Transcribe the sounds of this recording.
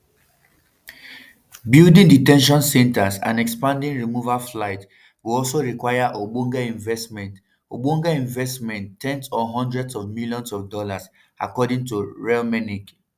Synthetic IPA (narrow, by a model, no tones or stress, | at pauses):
bildĩŋditɛ̃nʃ̬ɔ̃nsɛ̃ntasã̰ndɛkspãndĩŋɹimuvaflaɪt | wiɔlsoɹikwajaʔobũŋɡaĩɱvɛsmɛ̃nt | obũŋɡaĩɱvɛstmɛ̃nttʰːɛ̃nsɔɦɔ̃ndɹɛdsɔvmiljɔ̃nsɔvdɔlas | a̰kɔdĩŋtuɹɛlmɛnik